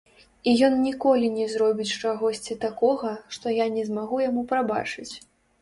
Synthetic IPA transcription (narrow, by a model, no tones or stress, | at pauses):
ijɔnnʲikɔlʲinʲɛzɾɔbʲit͡sʲt͡ʂaɣɔsʲt͡sʲit̪akɔɣɐʂt̪ɔjanʲɛzmaɣujamupɾaba̰t͡ʂɨt͡sʲ